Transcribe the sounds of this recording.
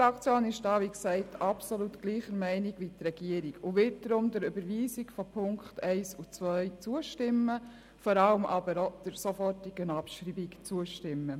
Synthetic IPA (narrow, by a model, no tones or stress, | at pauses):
ɑkt͡sjoːnɪʃd̥ɑːʋiksɛɪtʰɑpsolutɡ̥liːχəɾmæɪnɪɡʋit̪ɾɛɡ̥iəɾiɡʊʋɪt̚dɾʊmdəɾybəɾʋiːsɪɡfɔpʰʊŋkχtɛɪsut͡sʋœʏt͡suəʃtɪmːə | fɔɾɑləmʔɑbəɾɔd̥əɾsɔfɔtɪɡ̥ənɑpʃɾiːbikt͡suəʃtɪmːə